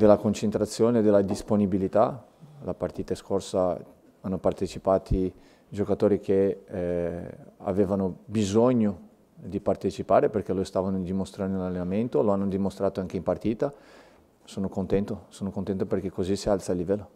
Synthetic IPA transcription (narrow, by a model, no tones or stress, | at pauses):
d̪elːakont͡ʃent̪ɾat̪sːjoːneːd̪elːad̪isponibilit̪a | lapart̪iːt̪askorsa | anːopart̪et͡ʃipaːt̪ʰi | d͡ʒokat̪oːɾikʰe | a̰veːvanobizoɲːo | d̪ipart̪et͡ʃipaːɾeperkelost̪aːvanod̪imost̪ɾand̪olalːenament̪oloanːod̪imost̪ɾaːt̪oaŋkeimpart̪iːt̪a | soːnokont̪ɛnt̪osoːnokont̪ɛnt̪operk̟ekːozisialt̪salːivɛlːo